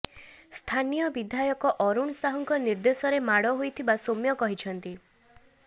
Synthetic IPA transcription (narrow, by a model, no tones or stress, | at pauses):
st̪ʰanijɔbid̪ʱajɔkɔʔɔɾuɳsaɦɔŋkɔniɾd̪esɔɾemaɽɔɦojt̪ʰibasomjɔkɔɦit͡ʃʰɔnt̪i